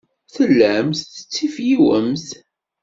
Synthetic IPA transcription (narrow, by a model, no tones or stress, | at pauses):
θəlːæmθθə̥t͡sːifjiwəmθ